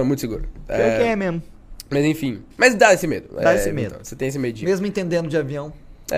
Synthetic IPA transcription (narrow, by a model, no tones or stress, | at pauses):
ɛmũt̪ʊsɪɡṵɾʊekɪɛmezmʊmɐzẽfĩmɐjzd̪aesɪmḛd̪ʊd̪aesɪmed̪̰̃set̪ẽj̃es̬ɪmejʊd͡ʒimezmʊẽt̪ẽnd̪ẽnd̪ʊd͡ʒɪaviɐ̃w̃ɛ̰